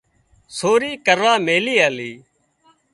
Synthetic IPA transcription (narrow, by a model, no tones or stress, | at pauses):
soːɾiːkəɾaːmeːliːaːliː